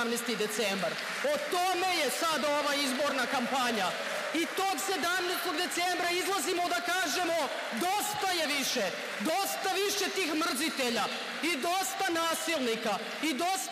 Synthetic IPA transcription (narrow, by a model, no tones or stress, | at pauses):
mnest̪id̪e̞t̪sembaɾ | ot̪o̞me̞jesad̪aoʋaizbo̞ɾnakampaɲa | it̪o̞ːɡse̞d̪amneːst̪oɡd̪e̞t̪sembɾaizlˠazimo̞d̪akaːʒe̞mo̞ | d̪ost̪aje̞ʋiʃe | d̪o̞st̪aʋiʃe̞t̪iːxmr̩zit̪eʎa | id̪o̞st̪anaːsilˠnika | id̪o̞s